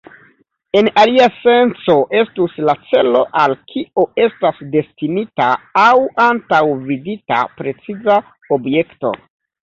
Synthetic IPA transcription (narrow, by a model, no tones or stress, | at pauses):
e̞naliase̞nt͡so̞ʔe̞stuslat͡se̞lo̞ʔalkʰio̞e̞stasde̞stinitaawantawvidita̰pɾe̞t͡siza | obje̞kto̞̰